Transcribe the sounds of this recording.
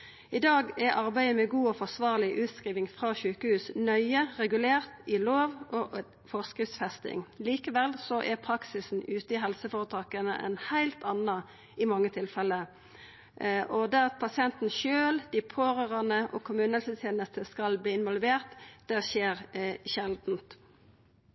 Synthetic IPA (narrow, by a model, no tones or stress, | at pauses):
ɪd̪ɑːɡɛɾʔɑʁbæɪəmɛɡuːɔfɔʁsʋɑːʁlɪʔʉːt̪skʁiːʋɪŋfʁɑçʉːkəhʉːsnœʏəʁɛɡʉleːʁt̪ɪloːʋʔɔ | fɔʁskʉsfɛst̪ɪ̰ŋliːkəʋɛlsɔʔɛpʰʁɑksɪsn̩ʉːt̪əɪɦɛlsəfoːʁət̪ʰɑːkənə̰ʔɛ̰nhæɪlt̪ɑnɑ | ɪmɑŋːət̪ʰɪlfɛlːə | ʔɔd̪ɛʁɑt̪̚pʰɑsɪɛnt̪n̩ʃøːld̪̥ɪpʰoːʁøːʁɑnəʔɔ̰kʰʊmʉːnhɛlsət̪ʰjeːnəst̪əskɑlbliːɪnʋɔlʋeːʁt̪d̪̥ɛʃeːʁʃɛld̪n̩t̪